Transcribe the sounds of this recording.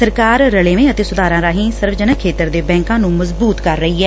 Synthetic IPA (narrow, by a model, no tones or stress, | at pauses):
əɾkaːɾːəleːʋẽːət̪eːsʊd̪aːɾãːɾaːɦĩːsəɾʋd͡ʒənəkʰːeːt̪əɾd̪eːbɛ̃ːŋkãːnũːməzbuːt̪kəɾːəɦiːɛː